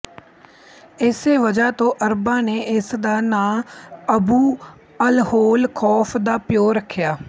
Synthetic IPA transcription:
ɪseːʋəd͡ʒaːt̪õːʔəɾbãːneːɪsd̪aːnãːəbuː | əlhoːlkʰɔːpʰd̪aːpjoːɾəkʰːjaː

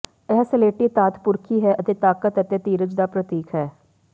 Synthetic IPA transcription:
ɛɦsəleːʈiːt̪aːt̪pʊɾkʰiːɦɛːʔət̪eːt̪aːkət̪ət̪eːt̪iːɾəd͡ʒd̪aːpɾət̪iːkʰɦɛː

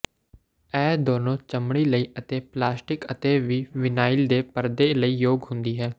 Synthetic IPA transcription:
ɛːd̪oːnõːt͡ʃəmɽ̃iːləiːət̪eːplaːsʈɪkət̪eːʋiːʋɪnaːɪld̪eːpəɾd̪eːləiːjoːɡɦʊ̃nd̪iːɦɛː

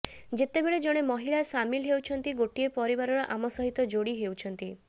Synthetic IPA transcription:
d͡ʒet̪ebeɭed͡ʒɔɽ̃emɔɦiɭasamilɦewt͡ʃʰɔnt̪iɡoʈiepɔɾibaɾɔɾɔʔamɔsɔɦit̪ɔd͡ʒoɽiɦewt͡ʃʰɔnt̪i

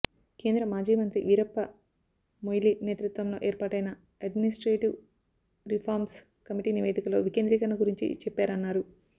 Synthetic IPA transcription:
ke̞ːnd̪ɾɐmaːd͡ʒiːmɐnt̪ɾiʋiɾɐpːɐ | mojlineːt̪ɾut̪ʋɐmlo̞ːʔeːɾpaːʈɐjnɐ | ɐɖminisʈɾeːʈiʋ | ɾipʰaːɾms | kɐmiʈiːniʋeːd̪ikɐlo̞ːʋikeːnd̪ɾikɐnːɐɡuɾiɲt͡ʃḭt͡ʃɛpːaːɾɐnːaːɾu

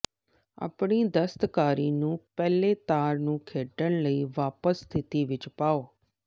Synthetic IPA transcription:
a̰ːpɳid̪əst̪kaːɾinũːpɛːlet̪aːɾnũːkʰeːʈəɳləiːʋaːpəst̪ʰɪt̪iʋɪt͡ʃpaːoː

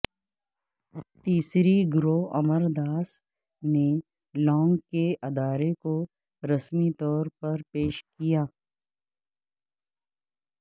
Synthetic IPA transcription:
t̪iːsɾiɡɾoːɐməɾd̪aːs | ne | lɔ̃ːŋɡkeʔɐd̪aːɾeko | ɾɐsmit̪ɔːɾpɐɾpeːʃkijaː

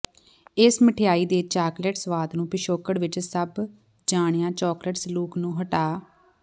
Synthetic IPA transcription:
ɪsməʈʰejaːiːd̪eːt͡ʃaːkleʈsʋaːd̪nũːpɪʃoːkəɽʋɪt͡ʃsəb | d͡ʒaːɳejãːt͡ʃɔːkləʈsluːknũːɦəʈaː

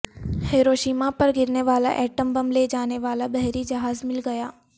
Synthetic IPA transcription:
heːɾoːʃiːmapɐɾɡɪɾneʋaːla̰ʔɛːʈəmbɐmled͡ʒaːneʋaːlabɛɦɾid͡ʒɐɦaːzmɪlɡɐjaː

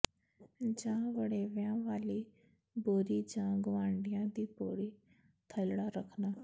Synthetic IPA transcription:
d͡ʒãːʋəɽeːʋjãːʋaːliː | boːɾiːd͡ʒãːɡʊʋãːɳɖɪjãːd̪iːboːɽiː | t̪ʰəlɽaːɾəkʰnaː

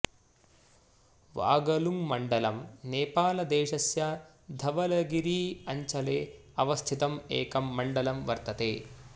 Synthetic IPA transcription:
ʋa̰ːɡɐlumːɐɳɖɐlɐmneːpaːlɐd̪ɛːʃɐsjɐ | d̪ʱɐʋɐlɐɡiɾiːɐɲt͡ʃɐleː | ɐʋɐst̪ʰit̪ɐmeːkɐmːɐɳɖɐlɐmʋɐɾt̪ɐt̪eː

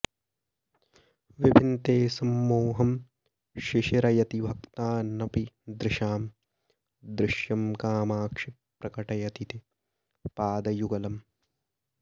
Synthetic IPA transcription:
ʋibʱint̪eːsɐmːoːɦɐm | ʃɪʃɐɾɐjɐt̪ibʱɐkt̪aːnɐpid̪ɾɪʃaːm | d̪ɾɪʃjɐmkaːmaːkʂi | pɾɐkɐʈɐjɐt̪it̪i | paːd̪ɐjuɡɐlɐm

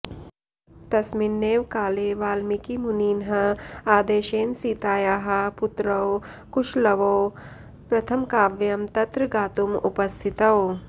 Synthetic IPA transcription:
t̪ɐsminːeːʋkaːleːʋaːlmikimuniːnɦɐaːd̪eːʃeːnsiːt̪aːjaːɦɐpʊt̪ɾɐw | kuʃlɐʋoː | pɾɐt̪ʰɐmkaːʋjɐmt̪ɐt̪ɾɨɡaːt̪umṵpɐst̪ʰit̪ɐw

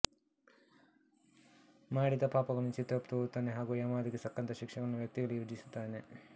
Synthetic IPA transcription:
maːɽid̪ɐpaːpɐɡɐɭɐnut͡ʃit̪ːɾɐpt̪out̪ːaːneɦaːɡujɐmaːd̪iɡesɐkːɐnt̪ɐʃikʂɐɡɐɐnːuʋjɐk̚t̪iɡɐɭujɾud͡ʒisu̥t̪ːaːne̞

